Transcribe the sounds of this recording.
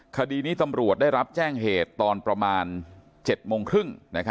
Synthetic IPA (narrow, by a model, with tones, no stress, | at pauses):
kʰa˧diː˧niː˦˥t̪a˧mɾu˨˩ət̪̚daː˥˩jɾa˦˥p̚t͡ɕɛː˥˩ŋɦeː˨˩t̪ːɔː˧npɾa˧maː˧n | t͡ɕe˨˩t̪̚moː˧ŋkʰɾɯ˥˩ŋna˦˥kʰa˦˥